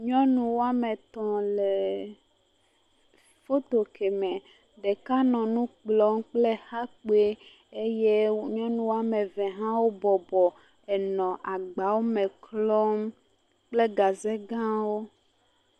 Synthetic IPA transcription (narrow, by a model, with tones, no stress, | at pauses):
ɲɔ̃˦nũ˨wo˦a˦me˨t̪ɔ̃˨le˨ | fo˦t̪o˨kʰe˨mɛ̃˨ | ɖe˨ka˦nɔ̃˨nũ˦k͡plɔ˦mk͡ple˦xa˦k͡pe˦ | e˦je˦ɲɔ̃˦nũ˨wo˦a˦me˨vɛ̃˨ɦã˦wo˦bɔ˨bɔ˨ | ɛ˨nɔ̃˨ʔa˨ɡ͡ba˨˦wo˦mẽ˨klɔ˦m | k͡ple˦ɡa˨ze˦ɡã˦wo˦